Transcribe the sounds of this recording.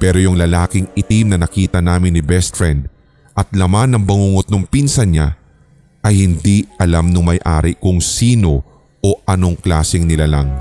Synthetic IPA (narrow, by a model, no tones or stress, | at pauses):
pɛːɾojʊŋlɐlaːkɪŋɪt̪imnɐnɐkiːt̪ɐnaːmɪnːɪbɛst̪fɹɛnd̪̚ | ʔɐt̪̚lɐmanːɐŋbɐŋuŋot̪̚nʊŋpinsɐɲa | ʔɐjhɪnd̪iɐlamnʊŋmɐjʔa̰ːɾɪkʊŋsiːno̞ | ʔoʔɐno̞ŋklaːsɪŋnɪlalɐŋ